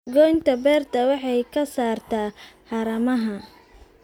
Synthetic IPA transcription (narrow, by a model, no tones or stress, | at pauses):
ɡɔjnt̪ʰɐbɛːrt̪ʰɐwɑħɑjkʰɐsaːrt̪ʰaːħɑɾɐmɐɦɐ